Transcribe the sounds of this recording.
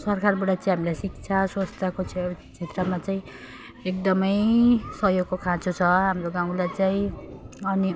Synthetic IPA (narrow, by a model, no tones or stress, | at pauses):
sʌrkarbaʈat͡saĩj̃ɦamilajsik̚t͡sʰaswast̪ʰakot͡sʰt͡sʰet̪rʌmat͡saĩ | ek̚d̪ʌmʌjsʌɦjoɡkokʰãt͡sot͡sʰʌɦamroɡaw̃lajt͡saĩʌni